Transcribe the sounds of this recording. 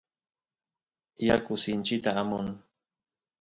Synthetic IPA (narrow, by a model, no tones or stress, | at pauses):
jakʊsɪnt͡ʃɪt̪aːmʊŋ